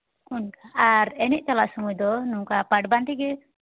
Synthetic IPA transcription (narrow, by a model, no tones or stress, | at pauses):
unkaaɾɛnɛʔ̚t͡ʃalaʔsumujd̪ɔnuŋkapaʈbanʈ̪iɡɛ